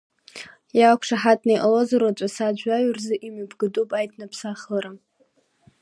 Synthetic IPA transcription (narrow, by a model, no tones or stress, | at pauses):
jakʷʰʂaħatʼnajʔalozaɾat͡ʃʷʼasad͡ʒʷaɥrzɨʔimabʰɡɨdʼupʼajtʰnapʰsaχəɾa